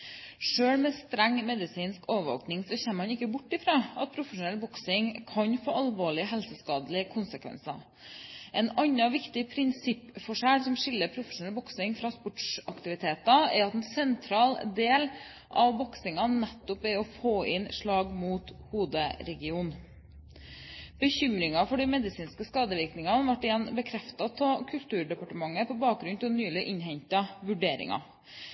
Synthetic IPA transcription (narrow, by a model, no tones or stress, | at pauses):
ʂøːɽmɛst̪ɾɛŋːmɛd̪ɪsiːnskoːʋəʋo̰ːknɪŋsɔçɛmmɑnɪkːəbʊʈːɪfɾɑːɑt̪̚pʰɾʊfəʂʊnɛlbɔksɪŋkʰɑnfoːɑlʋoːɭɪəɦɛlsəskɑːd̪əlɪkʰʊnsəkʰʋɛ̰nsɑ | ʔɛnɑnːɑʋɪkt̪ɪpʰɾɪnsɪpːfɔʂæːɽsɔmʂɪlːəɾpʰɾʊfə̥ʂʊnɛlbɔksɪŋfɾɑːspɔʈʂɑkt̪ɪʋɪt̪ʰeːt̪ɑɛɾɑt̪ɛnsɛnt̪ʰɾɑːld̪eːl | ʔɑʋbɔksɪŋɑnɛt̪ːɔpɛɾɔfoːɪnʂɭɑːɡmuːt̪huːd̪əɾɛɡɪuːn | b̥əçʏmɾɪŋɑfɔɖɛmɛd̪ɪsiːnskəskɑːd̪əʋɪɾknɪŋɑnʋɑʈːɪjɛnːbəkʰɾɛft̪ɑt̪ʰɑkʰʉlt̪ʉːɖɛpɑʈəmɑŋːəpʰɔbɑːk̚ɡɾʉnt̪ʰɪnyːlɪʔɪɲɦɛɲt̪ɑʋʉɖeːɾɪ̰ŋɑ̰